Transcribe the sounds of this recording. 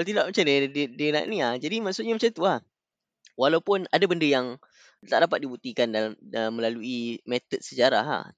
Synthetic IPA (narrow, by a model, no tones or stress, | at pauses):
walt̪̬idaʔmat͡ʃamdididina̰ʔnĩahd͡ʒadimaʔsuʔɲamat͡ʃant̪uah | walawpʊnadabəndəjaŋ | t̪aʔdapat̪̚dibut̪ikandalaməməlaluimet̪ət̪̚səd͡ʒaɾa̰ɦa̰h